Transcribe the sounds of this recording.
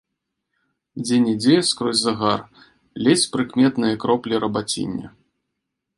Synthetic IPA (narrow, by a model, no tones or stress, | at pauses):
d͡zʲenʲid͡zʲɛjskɾɔzʲzɐɣar | lʲɛt͡sʲpɾɨkmʲɛt̪nɨjɐkɾɔplʲiɾɐbat͡sʲḭnʲːɐ̰